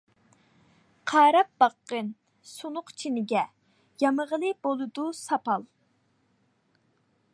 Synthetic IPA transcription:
qʰɑːɾɑp̚bɑqːən | sunʊqt͡ʃʰinɪɡʲɛ | jɑməʁəlˠɨbolˠɨd̪usɑpɑlˠ

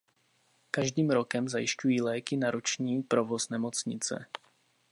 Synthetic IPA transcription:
kaʒd̪iːmɾɔkɛmzajɪʃcujiːlɛːkinaɾɔt͡ʃɲiːpɾovɔznɛmɔt͡sɲɪt͡sɛ̰

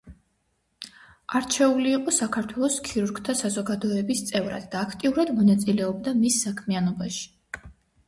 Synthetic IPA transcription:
aɾt͡ʃʰɛuliːqʼɔsakʰaɾt̪ʰwɛlˠɔskʰiɾuɾɡt̪ʰasazɔɡad̪ɔɛbist̪sʼɛvɾa̰d̪d̪aːkʰt̪ʼiuɾad̪mɔnat̪sʼilɛɔb̚d̪amisːakʰmianɔbaʃi̥

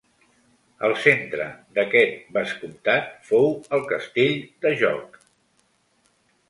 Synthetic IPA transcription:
əlˠsent̪ɾə̰d̪əkɛt̪̚bəskumt̪at̪̚fowəlˠkəst̪eʎd̪əʒɔ̰k

